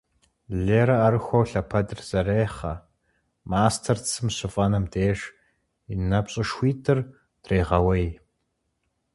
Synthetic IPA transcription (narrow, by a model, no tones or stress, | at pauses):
ɮeːɾɐːɾɨxʷowɬɐpʰɐdɨrz̥ɐreːχɐ̰ | maːstʰɐrt͡sʰɨmɕɪfʼɐnɐmdeːʃ | inɐpɕʼɪʃxʷiːtʰɨr | dreːʁɐwɐj